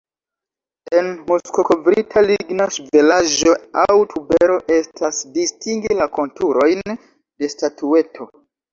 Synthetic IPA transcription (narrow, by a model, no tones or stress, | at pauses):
e̞nmuskokovɾitʰaliɡnaʃive̞laʒo̞awtʰube̞ɾo̞ʔe̞stʰasdistiŋɡilako̞ntuɾo̞jn | de̞statue̞tʰo̞